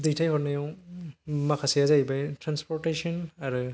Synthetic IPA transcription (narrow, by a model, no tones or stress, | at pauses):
dɯjtʰajhɔɾnajɔw | makʰasijazajbajtɾanspɔɾtesɔnaɾɯ